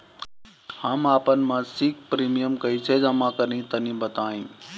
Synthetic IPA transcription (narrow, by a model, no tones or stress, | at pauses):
həmaːpənɪmãsɪk̚pɾiːmijəmkəit͡ʃʰed͡ʒəmãkəɾĩt̪ənĩbət̪aːĩː